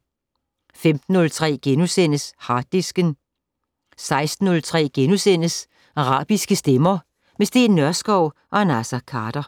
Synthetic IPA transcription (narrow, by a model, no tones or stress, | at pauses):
femd̥n̩ːɔ̽lt͡sʰʁɛ̰ːɡ̥enusen̰əshɑ̈ːd̥isɡ̥ən | sɑ̈ɪsd̥n̩ːɔ̽lt͡sʰʁɛ̰ːɡ̥enusen̰əs | ɑʁɑ̰̈ːb̥isɡ̥əsd̥emɐ | mesd̥e̝̰ːnːɶɐsɡ̥ɒʊ̰ʔɒ̽næsækʰɑ̈ːd̥ɐ